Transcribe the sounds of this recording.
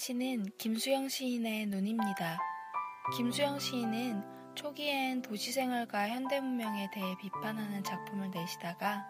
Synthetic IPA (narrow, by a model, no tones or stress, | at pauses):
ɕʰinɯnkimsʰujʌŋɕʰiːne̞noɲimɲida | kimsʰujʌŋɕʰiːnɯn | t͡ɕʰoɡientoɕʰisʰe̞ŋʌɭɡwaçjʌnde̞mumjʌŋe̞te̞ɦe̞pipʰanɦanɯnt͡ɕak̚pʰumɯɭne̞ɕʰidaɡa